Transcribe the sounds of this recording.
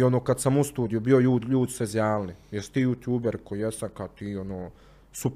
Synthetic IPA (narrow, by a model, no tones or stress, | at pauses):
o̞noːkad̪samust̪uːd̪ijubio̞juːʎuːd̪sezjaːlnijɛsi̥t̪iːjut̪juːbeɾkoijest̪amkat̪iːonoː | sup